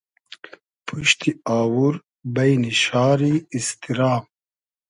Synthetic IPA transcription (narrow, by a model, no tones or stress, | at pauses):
pʰuʃt̪ʰiaːwuɾ | bɐjniʃaːɾiːst̪iɾɑːm